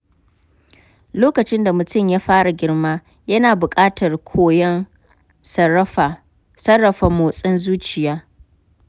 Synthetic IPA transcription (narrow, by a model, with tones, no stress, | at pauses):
loː˦kɐ˨t͡ʃɪ˦nda˨mʊ˨tʊ˦˨mjaː˦ɸaː˦ɽa˨ɡʲɪ˦rmaː˦ | jɐ˦naː˨bʊ˨kʼaː˦tʰɐ˨rkʷʰoː˦jɛ˦n˦˨ | sɐ˦rːɐ˨ɸa˨moː˨sʼɪ˦nzuː˦t͡ʃɪ˨jaː˦